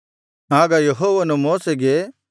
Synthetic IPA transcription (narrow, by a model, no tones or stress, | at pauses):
aːɡajɐɦoːʋɐnũmoːseɡe